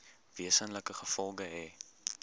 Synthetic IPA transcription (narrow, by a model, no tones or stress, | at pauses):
viəsənləkəχəfɔlˠɡəɛː